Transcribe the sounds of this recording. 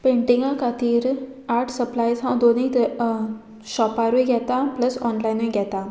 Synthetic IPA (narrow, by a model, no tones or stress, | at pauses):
pẽɳʈĩŋɡãkʰat̪iːɾ | aʈʰsəplajsɦãw̃d̪oni | ɕɔpaɾueɡjɛt̪apləsɔnlajnʋujɡʱjɛt̪a